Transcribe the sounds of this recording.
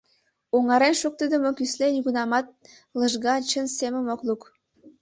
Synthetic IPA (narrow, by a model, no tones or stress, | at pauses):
oŋɑɾenʃuk̚t̪əd̪ə̆mokyslejiɣunɑmɑt̪̚ | lə̆ʒɣɑt͡ɕənsemə̆moklˠuk